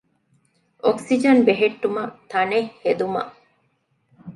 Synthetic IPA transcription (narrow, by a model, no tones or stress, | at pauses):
ʔoksid͡ʒɐnbeɦeʈːumɐt̪ɐnehed̪umɐ̰